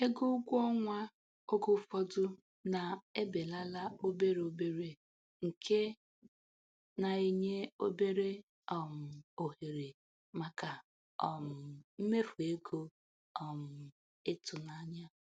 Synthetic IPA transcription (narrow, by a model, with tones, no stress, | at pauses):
e˦ɡo˦ɡʷɔ˦ŋʷa˦ | o˦ɡʊ˦fɔ˦dʊ˦ | na˨e˦be˨la˦la˦o˦be˦ɾe˨o˦be˨ɾe˨ | ŋ̩˨kʰe˦ | na˨i˦ɲe˦o˦be˦ɾe˦ | ɔ˨m̩˨o˨he˨ɾe˨ | ma˨ka˨ | ɔ˨m̩˨m̩˦me˦fu˨e˦ɡo˦ | ɔ˨m̩˨ | ɪ˦tʊ˨na˨˦ɲa˦